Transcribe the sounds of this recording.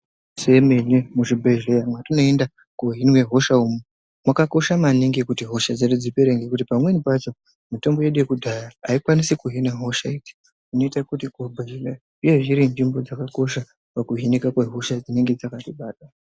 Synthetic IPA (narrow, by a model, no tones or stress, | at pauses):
se̞menemuʐibʱeʒlejamwatino̞enda | koɦinwe̞ɦo̞ʃaumu | mwakako̞ʃamaniŋɡekutiɦo̞ʃad͡zeɗud͡zipeɾe̞ŋɡekut̬ipamwe̞nipat͡ʃo̞ | mito̞mbo̞jeɗujekudʱajaːikwanisikuɦinaɦo̞ʃaiti̥ | ino̞itakutiɡʱobʱeile | uje̞ʐiɾind͡ʒimbo̞d͡zakako̞ʃa | pakuɦinikakweɦo̞ʃad͡zine̞ŋɡe̞d͡zakatiɓaːɗa